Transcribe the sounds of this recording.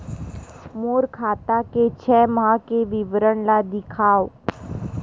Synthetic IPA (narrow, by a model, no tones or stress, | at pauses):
moːɾkʰaːt̪aket͡ʃʰɛːmãkeʋɪʋɾəɳlad̪ɪkʰaːoː